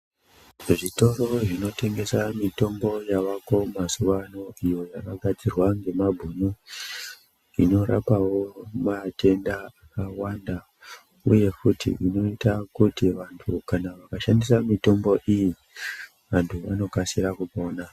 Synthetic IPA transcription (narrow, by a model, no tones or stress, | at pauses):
ʐito̞ɾo̞ʐino̞te̞ŋɡe̞samito̞mbo̞jaʋako̞mazuʋano̞ijo̞jakaɡʱad͡zirwaŋɡe̞mabʱuɲo | ino̞ɾa̰pawo̞mate̞ndaakawanda | ṵje̞kutḭʔino̞itakutiʋantʰukanaʋakaʃandisamito̞mbo̞ʔiji | ʋantʰuʋano̞kasiɾakupo̞ːna